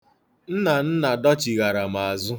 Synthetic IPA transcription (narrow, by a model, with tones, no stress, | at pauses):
n̩˦na˨n̩˦na˨dɔ˦t͡ʃi˨ɣa˨ɾa˨m̩˨a˨zʊ˦